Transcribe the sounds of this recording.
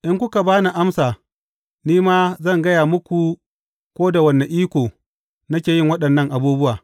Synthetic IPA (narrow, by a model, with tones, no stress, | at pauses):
ʔɪ˦ŋkʷʊ˦ka˨baː˦na˨ʔa˦msaː˨ | niː˦maː˦zɐ˦˨ŋɡɐ˦jaː˨mʊ˦kʷu˨ | kʷoː˦da˨wɐ˨nːe˨ʔiː˦kʷoː˨ | nɐ˦kʲeː˨jɪ˦ŋwɐ˦ɗɐ˨nːɐ˦ŋʔa˨buː˦bʊ˦waː˨